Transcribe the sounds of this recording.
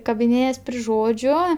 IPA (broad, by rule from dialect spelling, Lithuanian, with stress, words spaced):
kɐbʲɪˈnʲeːjɛs pʲrʲɪ ˈʒoːd͡ʒʲʊ